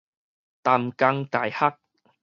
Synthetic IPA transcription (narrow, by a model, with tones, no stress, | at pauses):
t̪a˨˧mka˧ŋka˨˩jha˦k̚